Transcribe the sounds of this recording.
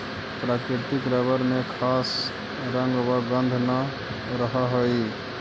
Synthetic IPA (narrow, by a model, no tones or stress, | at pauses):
pɾaːkɾɪt̪ɪkɾəbəɾmẽkʰaːs | ɾə̃ŋɡwəɡə̃nd̪ʱna | ɾəɦəɦəi